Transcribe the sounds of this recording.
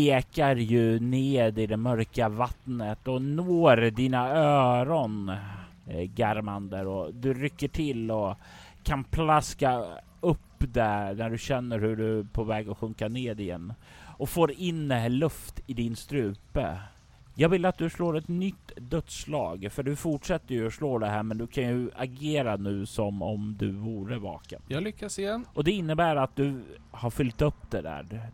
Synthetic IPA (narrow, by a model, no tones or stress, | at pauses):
eːkaɾjɵneːd̪ɪd̪ɛmœɾkavat̪nət̪ɔnoːɾd̪iːnaøːɾɔn | ɡaɾmand̪əɔd̪ɵɾʏkːəʈʰɪlɔ | kʰanpʰlaska | ɵpːd̪ɛnæɖɵɕɛnːəɾhɵɖɵpʰɔvɛːɡɔɧɵŋkaneːd̪ɪjɛ̰nː | ʔɔfoːɾɪndɛɦæɭɵft̪ɪd̪ɪnst̪ɾʉ̟ːpə̰ | jɑːɡvɪlːat̪̚d̪ɵsloːɾɛt̪nʏt̪ːd̪œt̪slɑ̰ːɡfœɖɵfʊʈʂɛt̪ːəjɵɔsloːd̪ɛɦæːɾmɛnd̪ɵkʰanjɵaɡeːɾanʉ̟ːsɔmɔmd̪ɵvuːɾəvɑ̰ːkə̰njɑlʏkːasɪjɛnʔɔd̪ɛɪnːəbæːɾat̪̚d̪ɵhaɾfʏlt̪ɵpːd̪ɛd̪æ̰ːɾ